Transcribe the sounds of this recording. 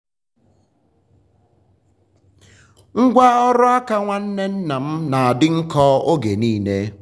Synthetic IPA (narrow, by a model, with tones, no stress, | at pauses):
ŋ̩˦ɡʷa˦ɔ˦ɾʊ˦a˦ka˦ŋʷa˦n̩˦ne˦n̩˦na˨m̩˦na˨a˨dɪ˦ŋ̩˦kɔː˦o˦ɡe˨niː˦ne˦